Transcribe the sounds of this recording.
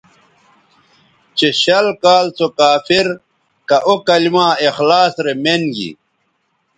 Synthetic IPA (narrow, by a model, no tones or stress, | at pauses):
t͡ɕeɕɐlkaːlt͡sokaːfiɾ | kɐʔokɐlimãːexlaːsɾemenɡḭ